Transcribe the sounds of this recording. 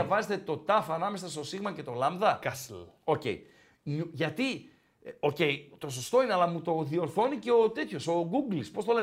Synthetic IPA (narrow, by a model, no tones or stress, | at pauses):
ɐvɐzet̪e̞t̪o̞t̪ɐfɐnɐme̞sɐst̪o̞siɣmɐcet̪o̞lɐmðɐkɐslo̞ce̞̰j | ɲuʝɐt̪i | o̞ce̞jt̪o̞so̞st̪o̞ineɐlɐmut̪o̞ðio̞ɾθo̞nice̞ot̪e̞t̪ço̞so̞ɡuɡlispo̞st̪o̞le